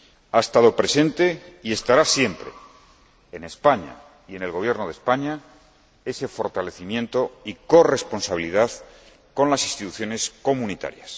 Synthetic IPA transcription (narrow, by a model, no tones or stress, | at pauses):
aest̪aðo̞pɾe̞sẽ̞nt̪e̞ie̞st̪aɾasje̞mpɾe̞̰ː | ne̞spaɲa̰ | ie̞ne̞lɣo̞β̞je̞ɾno̞ð̞espaɲa | e̞se̞fo̞ɾt̪ale̞θimjẽ̞nt̪o̞iko̞re̞spo̞nsaβiliðað | ko̞nlasĩnst̪it̪uθjo̞ne̞sko̞munit̪a̰ɾjas